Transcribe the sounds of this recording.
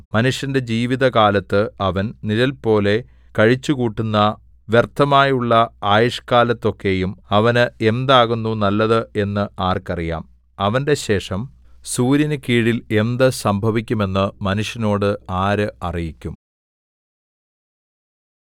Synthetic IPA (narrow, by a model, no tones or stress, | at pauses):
mɐnuʂjɐnde̞d͡ʑiːʋiðɐkaːlɐt̪ːɨɐʋɐnnilɐlpo̞ːle̞ | kɐɻit͡ɕːukuːʈːunːɐ | ʋjert̪ʰːɐmaːjuɭːɐaːjɐʂkaːlɐt̪ːo̞kːe̞jumɐʋɐnɨe̞nd̪aːɣunːunɐlːɐðɨe̞nːɨaːrkɐrija̰ːm | ɐʋɐnde̞ɕe̞ːʂɐm | suːɾjɐnɨkiːɽile̞nd̪ɨsɐmbʱɐʋikʲːume̞nːɨmɐnuʂjɐno̞ːɽɨaːɾɨɐrijikʲːum